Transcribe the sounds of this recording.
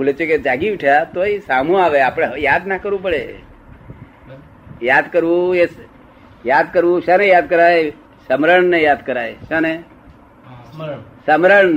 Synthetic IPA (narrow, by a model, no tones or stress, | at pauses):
bʰʱulet͡ʃʰeked͡ʒaɡiʋɪʈʰjat̪oisamũaʋeapɽ̃eɦjad̪nakəɾʋũp̬əɭe | jad̪kəɾʋũes | jad̪kəɾʋũʃanejad̪̚kəɾaje | səmɾəɳnejad̪kəɾajʃane | səmɾəɳ